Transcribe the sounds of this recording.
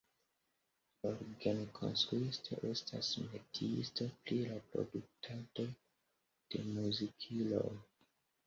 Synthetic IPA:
oɾɡenkʰo̞̰nstɾuistʰo̰ʔe̞sta̰smetʰiḭstoplilapɾo̞̰duk̚tʰado̞ | d̥e̞muzikʰilo̞̰j

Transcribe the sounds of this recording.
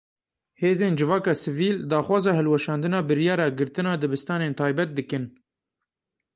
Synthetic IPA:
heːzeːnd͡ʒɨvɑːkɑːsɨviːld̪ɑːxwɑːzɑːhɛlwɛʃɑːnd̪ɨnɑːbɨɾjɑːɾɑːɡɨɾt̪ɨnɑːd̪ɨbɨst̪ɑːneːnt̪ʰɑːjbɛt̪̚d̪ɨkɨn

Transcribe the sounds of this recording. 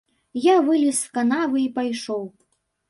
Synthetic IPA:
javɨlʲisːkanavɨipajʂɔw

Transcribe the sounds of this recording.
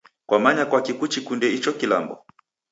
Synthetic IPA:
kwamaɲakwakikut͡ʃikundɛit͡ʃɔkila̰mbɔ̰

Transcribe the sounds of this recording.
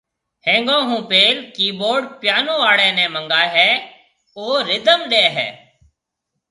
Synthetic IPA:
hẽːŋɡõːɦũːpeːlkiːɓoːɖpjaːnõːaːɽɛ̃ːnɛ̃ːməŋɡaːɦɛː | oːɾɪd̪əmɗeːɦɛ̰ː

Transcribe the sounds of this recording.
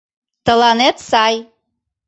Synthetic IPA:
t̪ə̆lɑnet̪sɑj

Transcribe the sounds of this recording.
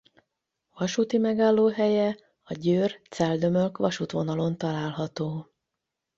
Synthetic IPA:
vɒʃut̪imɛɡaːlːoːɦɛjɛ | ɒɟøːrt̪sɛld̪ø̞mølkʋɒʃut̪ʋo̞nɒlo̞nt̪ɒlaːlɦɒt̪oː

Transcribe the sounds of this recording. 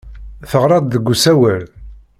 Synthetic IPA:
θəʁɾˤɑd̪ðəɡːusæwəl

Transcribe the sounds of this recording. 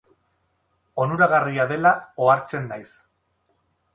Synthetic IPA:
o̞nuɾaɣariaðe̞laoaɾt͡se̞nːajs

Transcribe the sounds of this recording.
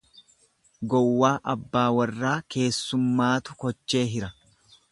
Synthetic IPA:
ɡɔwːaːʔɐbːaːwɐrːaːkʰe̞ːsːʊmːaːt̪ʊkɔt͡ʃːe̞ːɦɪɾɐ

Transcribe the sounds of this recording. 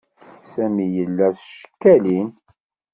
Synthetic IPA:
sæmijəlːæsʃə̥kːælin

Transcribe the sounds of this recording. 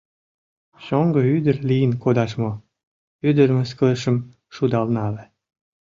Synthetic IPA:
ɕoŋɡəyd̪ərlijənkod̪ɑʃmo | yd̪əɾməskələʃə̆m | ʃud̪ɑlnɑle

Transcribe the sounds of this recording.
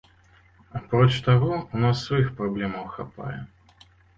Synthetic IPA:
apɾɔt͡ʃt̪aɣɔunasːvajixpɾablʲɛmɐwxapa̰jɛ̰

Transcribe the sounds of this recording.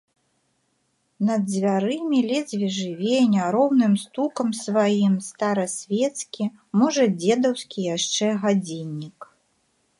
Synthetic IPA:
nɐd̪zʲvʲaɾɨmʲilʲɛzʲvʲiʐɨvʲenʲɐɾɔwnɨmst̪ukɐmsvajimst̪aɾɐsʲvʲɛt̪skʲi | mɔʐɐd͡zʲɛd̪ɐwskʲijaʂt͡ʂɛɣad͡zʲinʲːik

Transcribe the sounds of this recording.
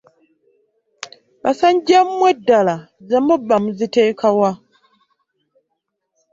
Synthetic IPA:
basaɲɟammwedːala | zemubːamuzite̞ːkʰawa

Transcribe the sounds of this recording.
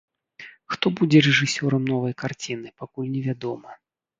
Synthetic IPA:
xt̪ɔbud͡zʲɛɾɛʐɨsʲɔɾɐmnɔvɐjkart͡sʲinɨpakulʲnʲɛvʲad̪ɔmɐ

